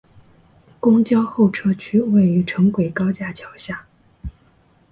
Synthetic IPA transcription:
kʊ˥ŋt͡ɕjɑ˥ʊxo˥˩ʊʈ͡ʂʰɤ˥t͡ɕʰy˥we˥˩ɪy˧˥ʈ͡ʂʰɤ˧˥ŋkwe˨˩ɪkɑ˥ʊt͡ɕja˥˩t͡ɕʰjɑ˨˧˥ʊɕja˥˩

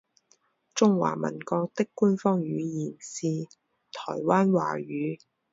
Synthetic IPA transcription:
t͡sʊ˥ŋwa̰ː˨˩mɐ̰˨˩nkɔː˧k̚t̪ɪ˥kːuː˥nfɔː˥ŋjyː˨˧jiː˨˩nsiː˧ | t̪ʰɔː˨˩jwaː˥nwa̰ː˨˩ɥyː˨˥

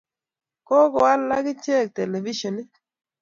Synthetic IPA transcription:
ko˦kɔ˨a˦lːa˦ɡɪ˦t͡ʃe˦˨k̚tɛ˨le˨vi˦ʃɔ˨nɪ˦

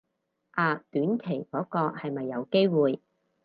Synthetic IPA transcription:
ʔaː˨˧t̪yː˨˥nkʰe˨˩jkɔː˨˥kɔː˧hɐ˨jmɐ˨jːɐ˨˧wke˥jwuː˨j

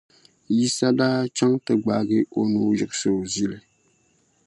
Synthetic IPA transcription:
ji˦sa˦daː˦t͡ʃa˦ŋtɨ˨ɡ͡baː˨ɡɨ˦ʔo˦nu˦jɨ˨ɨ˦sɨ˨zi˦lɨ˨

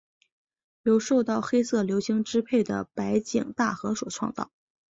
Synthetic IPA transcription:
ljo˧˥ʊʂo˥˧ʊt̪ɑ˥˩ʊxe˥ɪsɤ˥˩ljo˧˥ʊɕi˧˥ŋʈ͡ʂɻ̩˥pʰe˥˩ɪd̪ə̰˩pa˧˥ɪt͡ɕi˨˩ŋt̪a˥˩xɤ˧˥swɔ̰˨˩ʈ͡ʂʰwɑ̰˥˧ŋt͡sɑ̰˥˩ʊ

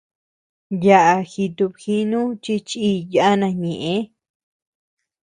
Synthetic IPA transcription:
ja˧ʔa˧xi˧t̪u˧βxi˦nũ˦t͡ʃi˦˧t͡ʃi˦˧ja˧ʔa˦nã˧ɲẽ˨ʔẽ˧˦

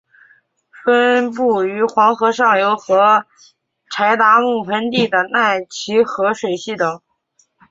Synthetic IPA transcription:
fə˥npu˥˩y˧˥xwɑ˧˥ŋxɤ˧˥ʂɑ˥˩ŋjo˧˥ʊxɤ˧˥ | ʈ͡ʂʰa˧˥ɪt̪a˧˥mu˥˩pʰə˧˥nt̪i˥˩d̪ə˩na˥˩ɪt͡ɕʰi˧˥xɤ˧˥ʂwe˨˩ɪɕi˥˩t̪ɤ˨˩˦ŋ

